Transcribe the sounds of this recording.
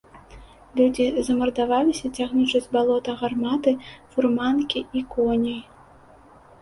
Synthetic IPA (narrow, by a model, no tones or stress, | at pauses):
lʲud͡zʲizɐmɐrd̪avalʲisʲɐt͡sʲaɣnʲit͡ʂɐd͡zʲbalˠɔt̪ɐɣarmat̪ɨfurmankʲiʔikɔnʲɐj